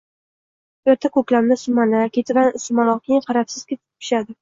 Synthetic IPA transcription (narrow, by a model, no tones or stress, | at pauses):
oɾt̪ʰakʰɵkʲlamnɪsʊmanakʲʰet̪ʰɪvansɪmalˠɒkʲʰejɪŋqʰɑɾapsɪz̥kʲet̪ʰɪpʰɪ̥ʃad̪ɪ